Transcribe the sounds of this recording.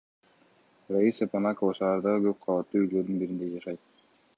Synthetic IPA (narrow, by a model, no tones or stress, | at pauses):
raisepanɑkovɑʃɑːɾd̪ɑʁɯɡøp̚qʰɑlɑt̪ːuːyɡlø̞ɾd̪ynbiɾind̪e̞d͡ʒɑʃɑjt̪̚